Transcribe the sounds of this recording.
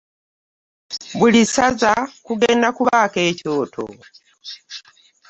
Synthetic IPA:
βulisazakuɡeːndakuβaːke̞ːco̞ːtʰo̰

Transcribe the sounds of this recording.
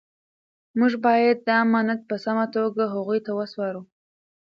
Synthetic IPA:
muʒbɑjad̪ːəamɑnad̪̚pəsamat̪oɡaɦaɣujt̪awəswɑɾu

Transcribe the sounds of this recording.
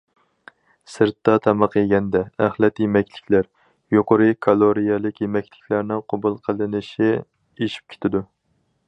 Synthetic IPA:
sɨɾt̪ːɑt̪ʰɑmɑqeɡʲɛnd̪ɛæχlˠɛt̪jemɛkʲlɪkʲʰlæɾ | joqəɾɨkʰɑlˠoɾijɛlˠɪkʲjemɛkʲlɪkʲlæɾnɪŋqʰobulˠqʰəlˠɨnɨʃi | eʃi̥p̚kʲʰe̥t̪ʰɪd̪u

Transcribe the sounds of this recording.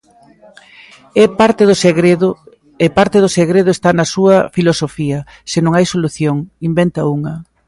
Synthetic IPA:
ɛaɾt̪eðʊsɣɾeð | epaɾt̪eðʊseɣɾeðʊest̪anɐsuɐfilosofiɐ | senõŋajsoluθjoŋimbent̪ɐuŋɐ

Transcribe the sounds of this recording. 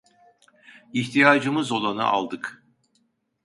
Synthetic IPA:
içt̪ʰijaːd͡ʒɯmɯzo̞lˠanɯ̰ʔa̰lˠd̪ɯk

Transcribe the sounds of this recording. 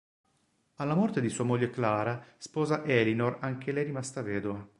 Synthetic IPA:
alːamɔrt̪ed̪isuːamoʎːeklaːɾaspɔːzaʔɛlinoraŋk̟elɛjrimast̪avɛːd̪oa

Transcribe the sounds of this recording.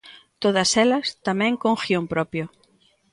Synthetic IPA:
t̪oð̞ɐsɛlɐst̪amɛ̃ŋkõŋxjompɾɔpjo

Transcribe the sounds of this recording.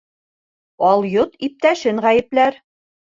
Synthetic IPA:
ɑlˠjot̪ip̚t̪æʃɘŋʁæjɘ̆plæɾ

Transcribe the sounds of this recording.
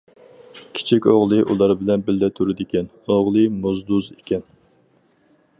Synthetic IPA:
kʲʰi̥t͡ʃʰikʲoʁlˠɨʔulˠɑɾbɪlɛnbɪlːɛt̪ʰuɾɪd̪ɪkʲʰɛn | oʁlˠɨmuzd̪uzekʲɛn

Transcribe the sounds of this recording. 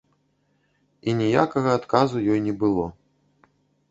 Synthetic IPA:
inʲija̰kɐɣɐːt̪kazujɔjnʲɛbɨlˠɔ

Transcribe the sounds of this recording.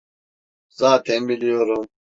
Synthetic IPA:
zaːt̪ʰembilijoɾum

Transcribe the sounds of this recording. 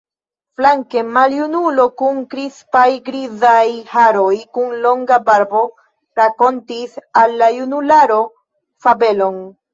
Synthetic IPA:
flaŋke̞maljunulo̞kuŋkɾispajɡɾizajhaɾo̞jkunlo̞ŋɡabaɾbo̞ | ɾako̞ntisalːajunulaɾo̞ | fabe̞lo̞n

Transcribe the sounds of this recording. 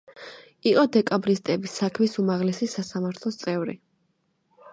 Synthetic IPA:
iqʼɔd̪ɛkʼabɾist̪ʼɛbisːakʰmisumaʁlɛsisasamaɾt̪ʰlˠɔst̪sʼɛvɾḭ

